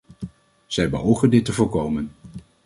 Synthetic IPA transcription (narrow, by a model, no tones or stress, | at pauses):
z̥ɛjbəɦowχəndɪtəvʊːɹkowmən